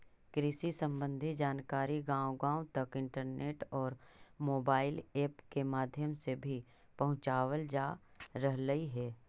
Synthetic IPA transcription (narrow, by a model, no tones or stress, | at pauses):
kɾɪsisə̃mbə̃nd̪ʱid͡ʒaːnkaːɾiɡãːwɡãːʊt̪ɐkɪ̃ɳʈəɾneːʈɔːɾmoːbaːɪleːpkemaːd̪ʱjəmsebʱi | pɐɦʊ̃t͡ʃaːwəld͡ʒaːɾəɦləiɦɛː